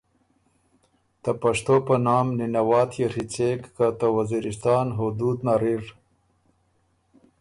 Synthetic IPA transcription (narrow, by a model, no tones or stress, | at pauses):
t̪apɐʂt̪opɐnɑːmninɐwɑːt̪ʰjeɾit͡sekːat̪awɐziɾist̪ɑːnɦud̪uːd̪naɾiɾ